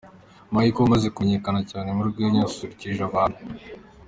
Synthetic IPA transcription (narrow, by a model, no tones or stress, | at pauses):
maikoumaze̞kueɲe̞kanacaːne̞muɾɡweːɲasusuɾiciʒaβaːn̥hu